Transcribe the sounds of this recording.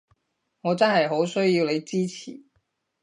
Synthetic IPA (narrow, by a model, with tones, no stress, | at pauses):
ŋɔː˨˧t͡sɐ˥nhɐ˨˩jɦo˨˥wsɵ˥ji˨˧wle˨˧jt͡siː˥t͡ɕʰḭː˨˩˦